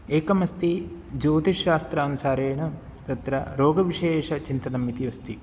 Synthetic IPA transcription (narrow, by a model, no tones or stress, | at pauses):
eːkɐmɐst̪i | d͡ʒoːt̪iʃːaːst̪ɾɐːnusaːɾeːɳɐ | t̪ɐt̪ɾɐɾoːɡɐʋiʂeːʂɐt͡ʃint̪ɐd̪ɐmit̪iʋɐst̪i